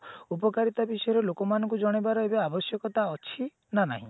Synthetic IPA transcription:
upɔkaɾit̪abisɔjɔɾelokɔmanɔ̃ŋkud͡ʒɔɽ̃ebaɾɔebeabɔsjɔkɔt̪aɔt͡ʃʰi | nana̰ɦḭ̃

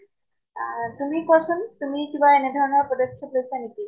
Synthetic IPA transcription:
tumikɔsʊntumikibaɛnɛdʱɔɹɔnɔɹpɔdɔkʰjɔplojsaneki

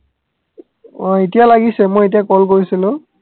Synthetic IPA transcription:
ɔetijalaɡisɛmɔjetijakɔlkoɹisilʊ̃

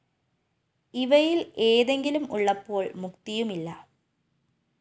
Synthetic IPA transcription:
iʋɐjile̞ːðe̞ŋɡilumuɭːɐpːo̞ːɭmukt̪ijumilːɐ

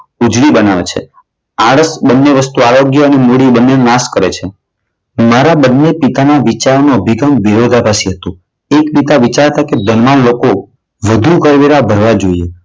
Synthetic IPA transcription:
ud͡ʒlibənaʋḛt͡ʃʰḛ | aɽəsbənːeʋəst̪uaɾoɡjəənemoɽibənːennaskəɾet͡ʃʰe | maɾabənːepit̪anaʋit͡ʃaɾnoəbʱiɡamʋiɾod̪ʱabʱasiɦət̪ũ | ekpit̪aʋit͡ʃaɾt̪aked̪ənmanloko | ʋəd̪ʱuɡəɾʋeɾabʱəɾʋad͡ʒoie

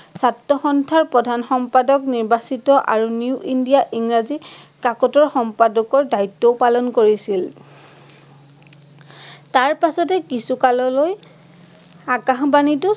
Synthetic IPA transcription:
satːɔxɔntʰaɹpɹɔdʱanxɔmpadɔkniɹbasitɔʔa̰ɹuniuʔindiaʔiŋɹazikakɔtɔɹxɔmpadɔkɔɹdajtːɔʊpalɔnkoɹisil | taɹpasɔtɛkisukalɔloj | akaxbanitʊ

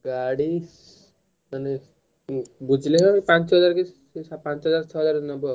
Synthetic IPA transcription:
ɡaɽis | ʌni | bud͡zlekʌpãnt͡sʰʌɦd͡zarke | sapãnt͡sɦʌd͡zart͡ʃʰʌɦʌd͡zaɾnʌbʌ

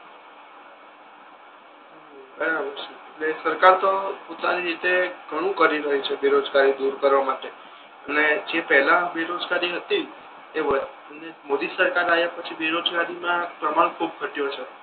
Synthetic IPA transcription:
bəɽ̃aʋəɾt͡ʃeeʈlesəɾkaɾt̪opot̪aniɾit̪eɡʱəɽ̃ũkəɾiɾəɦit͡ʃʰebeɾod͡ʒɡaɾid̪uɾkəɾʋamaʈe | əned͡ʒepəɦlãbeɾod͡ʒɡaɾiɦət̪i | eʋə | nemod̪isəɾkaɾajapət͡ʃʰibeɾod͡ʒɡaɾimãpɾəmaɽ̃kʰub̚kəʈijot͡ʃʰe

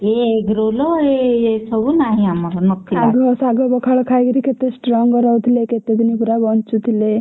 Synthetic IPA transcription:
eɡɾolɔɾeesəbunaɦiamaɾanɔkːiaɡɔsaɡɔbɔkʰaɭɔkʰajɡəɾiket̪esʈɾɔŋɡɔɾɔwt̪ʰileket̪ed̪inipuɾabɔnt͡ʃut̪ʰile

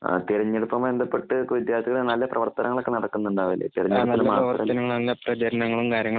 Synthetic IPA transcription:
a̰t̪iɾɐɲːeɽupːɐmend̪ɐpːeʈːɨkʋid̪jaːrt̪iɣɐɭenɐlːɐprɐʋɐrt̪ɐnʔɐŋɐɭo̞kːenɐɽɐkːunːuɳɖaːʋilːḛt̪iɾɐɲːeɽunːɐlːmaːrɐʋɐrtɐɐnɐŋːɐɭnɐlːɐprɐt͡ɕɐɾɐnɐŋːɐɭumkaːɾjɐŋːɐ

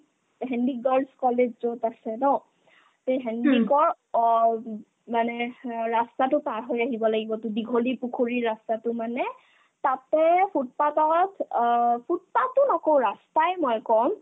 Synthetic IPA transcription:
ɦɛndiɡɔɹlskɔled͡ʒzotasɛnɔ | teɦɛndikɔɹ | manɛɹastatʊpaɹɦojaɦibɔlaɡibɔtʊdiɡʱolipukʰuɹiɹastatʊmanɛ | tatɛpʰut̚patɔtpʰut̚patʊnɔkowɹastajmɔjkɔm

